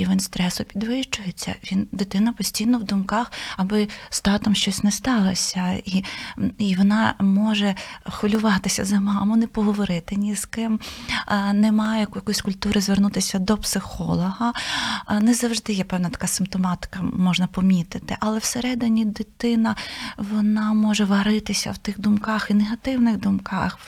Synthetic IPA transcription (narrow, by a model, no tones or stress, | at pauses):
iʋɪnst̪ɾɛsʊpʲid̪ʋɪʃt͡ʃʊjet͡sʲːɐ̰ʋʲind̪ɪt̪ɪnɐpɔsʲtʲijnɔwd̪ʊmkɑxɐbɪst̪ɑt̪ɔmʃt͡ʃɔsʲnɛst̪ɑlˠɐsʲɐiiʋɔnɑmɔʒɛxɔlʲʊʋɑt̪ɪsʲɐzɐmɑmʊnɛpɔɦɔʋɔɾɪt̪ɪnʲiz̥kɪm | nɛmɑjɛjɐkɔjɐkɔjsʲkʊlʲt̪uɾɪzʋernut̪ɪsʲɐd̪ɔpsɪxɔlˠɔɦɐ | nɛzɐwʒd̪ɪjɛpɛwnɐt̪ɐ̥kɑsɪmpt̪ɔmɑt̪ɪ̥kɐmɔʒnɐpɔmʲit̪ɪt̪ɪʔɐlˠɛwseɾɛd̪ɪnʲid̪ɪt̪ɪnɐʋɔnɑmɔʒɛʋɐɾɪt̪ɪsʲɐ̰wt̪ɪxd̪ʊmkɑxineɦɐt̪ɪwnɪxd̪ʊmkɑ̰x